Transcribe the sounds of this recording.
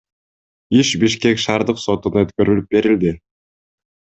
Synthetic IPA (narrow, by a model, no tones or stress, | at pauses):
iʃbiʃke̞kʃɑːɾd̪ɯqso̞t̪unɑøt̪kø̞ɾylyp̚be̞ɾild̪ɪ